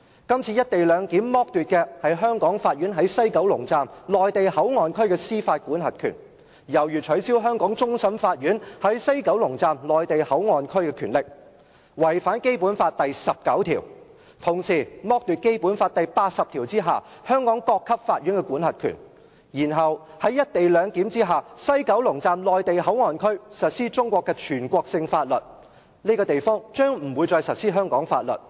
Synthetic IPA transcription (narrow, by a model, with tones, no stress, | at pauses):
kɐ˥mt͡sʰiː˧jɐ˥t̚t̪e˨jlœː˨˧ŋki˨˥nmɔː˥k̚t̪yː˨t̚kɛː˧hɐ˨jɦœː˥ŋkɔː˨˥ŋfaː˧t̚ɥyː˨˥nɦɐ˨˥jsɐ˥jkɐ˨˥wlʊ˨˩ŋt͡saː˨mlɔː˨jt̪e˨jhɐ˨˥wŋɔː˨nkʰɵ˥ɥkɛ˧siː˥faː˧t̚kuː˨˥nɦɐ˨t̚kʰy̰ː˨˩n | jɐ˨˩wjyː˨˩t͡ʃʰɵ˨˥ɥsiː˥wɦœː˥ŋkɔː˨˥ŋt͡sʊ˥ŋsɐ˨˥mfaː˧t̚ɥyː˨˥nhɐ˨˥jsɐ˥jkɐ˨˥wlʊ˨˩ŋt͡saː˨mlɔː˨jt̪e˨jhɐ˨˥wŋɔː˨nkʰɵ˥ɥkɛ˧kʰyː˨˩nlɪ˨k̚ | wɐ˨˩jfaː˨˥nke˥jpuː˨˥nfaː˧t̚t̪ɐ˨jsɐ˨p̚kɐ˨˥wt̪ʰḭː˨˩w | t̪ʰʊ˨˩ŋsiː˨˩mɔː˥k̚t̪yː˨t̚ke˥jpuː˨˥nfaː˧t̚t̪ɐ˨jpaː˧t̚sɐ˨pt̪ʰiː˨˩wt͡siː˥ɦaː˨ | hœː˥ŋkɔː˨˥ŋkɔː˧kʰːɐ˥p̚faː˧t̚ɥy˨˥nkɛ˧kuː˨˥nhɐ˨˩t̚kʰy̰˨˩n | jiː˨˩nɦɐ˨w | hɐ˨˥jːɐ˥t̚t̪e˨jlœː˨˧ŋki˨˥mt͡siː˥ɦaː˨˩sɐ˥jkɐ˨˥wlʊ˨˩ŋt͡saː˨˧mlɔː˨jt̪e˨jhɐ˨˥wŋɔː˨nkʰɵ˥ɥsɐ˨t̚siː˥t͡ʃʊ˥ŋkʷɔː˧kːɛː˧t͡ʃʰyː˨˩nkʷɔː˧k̚sɪ˧ŋfaː˧t̚lɵ˨t̚ | niː˥kɔː˧t̪e˨jfɔː˥ŋt͡ʃœː˥ŋm̩˨˩wuː˨˧jt͡sɔː˧jsɐ˨t̚siː˥ɦœː˥ŋkɔː˨˥ŋfa̰ː˧t̚lɵ̰˨˩t̚